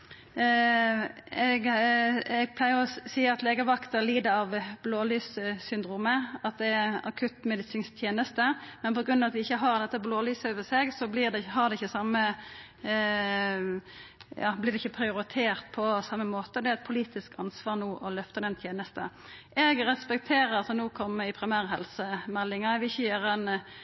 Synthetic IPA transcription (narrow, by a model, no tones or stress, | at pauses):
ɛɡ | ɛɡ̚pʰlæɪəʁɔsiːəɑt̪leːɡəʋɑkt̪əɾliːd̪əɾɑʋbloːlyːssʏnd̪ɾuːməɑt̪̚d̪ɛæɑkʰʉt̪mɛd̪ɪsɪŋst̪ʰjeːnəst̪əmɛnpɔɡʁʉnɑʋɑt̪ʋɪɪçːəɦɑʁd̪ɛt̪ːəbloːlyːsəøːʋəseɡsɔblɪd̪ɛɦɑʁd̪ɛɪçːəsɑmːə | jɑ̰ːblɪʁd̪ɛɪçːəpʰɾɪʊɾɪt̪ʰeːɾt̪pʰɔsɑmːəmoːt̪əd̪ɛæɛt̪̚pʰʊliːt̪ɪskɑnsʋɑːʁnuːʔɔlœft̪əd̪ɛnt̪ʰjeːnəst̪əʔɛɡɾɛspɛk̚t̪ʰeːɾəɾɑlsɔnuːkʰɔmːəɪpʰɾɪmæːɾɦɛ̰lsəmɛlːɪŋɑʋɪɪçːəjøːɾəɛn